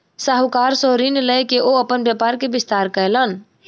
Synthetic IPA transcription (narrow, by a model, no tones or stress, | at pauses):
saɦukaɾsoɾinləjkeʔoəpənbjəpaɾkebist̪aɾkəjlən